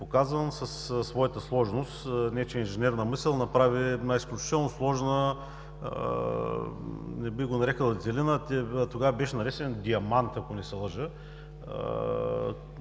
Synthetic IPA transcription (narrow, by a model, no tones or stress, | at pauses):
pokazənsɐssːvɔjət̪əslˠɔʒnost̪nɛt͡ʃinʒɛnɛɾnəmisəlˠnɐpɾavinaisklʲʊt͡ʃit̪ɛlˠnoslˠɔʒnə | nɛbiɣɡonɐɾɛkəlˠɐt̪sɛlinət̪ɛt̪oɡavɐbɛʃnɐɾɛsɛnd̪iɐmant̪ɐkonɛsɛlˠəʒə̰